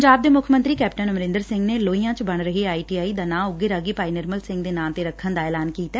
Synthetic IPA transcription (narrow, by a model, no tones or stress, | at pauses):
əd͡ʒaːbd̪eːmʊkʰmə̃nt̪ɾiːkɛːp̚ʈənməɾɪ̃nd̪əɾsɪ̃ŋɡneːloːiːãːt͡ʃbəɳɾəɦeaːiːʈiːaːiːd̪aːnãːʊɡːeɾaːɡiːpaːiːnɪɾməlsɪ̃ŋɡd̪eːnãːmt̪eːɾəkʰːənd̪aːɛːlaːnkiːt̪ɛː